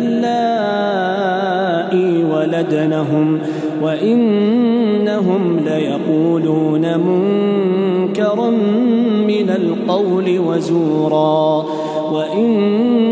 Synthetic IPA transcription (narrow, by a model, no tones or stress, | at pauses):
llːaː | ʔɪwalad̪naɦʊm | waʔɪnː | aɦʊmlajaquːluːnamʊŋ | kɑɾˤmmɪnalqɑwlɪwazuːɾˤɑː | waʔɪn